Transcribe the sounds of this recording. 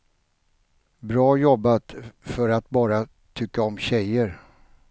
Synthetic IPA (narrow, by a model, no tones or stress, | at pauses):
bɾɑːjɔbːat̪fœɾat̪bɑːɾa | t̪ʰʏkːaɔmɕɛjːəɾ